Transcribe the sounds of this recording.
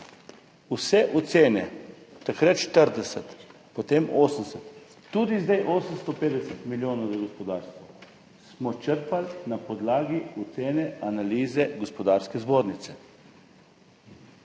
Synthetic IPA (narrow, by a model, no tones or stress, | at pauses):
usɛʔut̪seːnɛt̪akɾat̪ʃt̪əɾd̪ɛsɛt̪ | pɔt̪eːmoːsənsət̪ː | uːd̪izd̪ajʔoːsənst̪ɔpeːd̪ɛsət̪miljoːnɐwzaɡɔspɔd̪aːɾst̪ʋɔ | smɔt͡ʃəɾpalnapɔd̪laːɡiut̪seːnɛanaliːzɛɡɔspɔd̪aːɾskɛzboːɾnit̪sɛ̥